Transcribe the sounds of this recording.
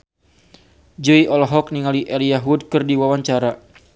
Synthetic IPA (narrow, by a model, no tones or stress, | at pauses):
d͡ʒuiʔɔlɔɦɔk̚niŋaliʔelijaɦud̚kɨrdiwawaɲt͡ʃaɾa